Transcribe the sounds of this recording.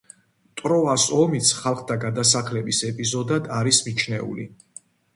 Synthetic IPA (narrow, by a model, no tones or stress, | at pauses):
t̪ʼɾɔasɔmit̪sʰχalˠχd̪ʰaɡad̪as̬aχlɛbisɛpʼizɔd̪ad̪aɾismit͡ʃʰnɛṵlḭ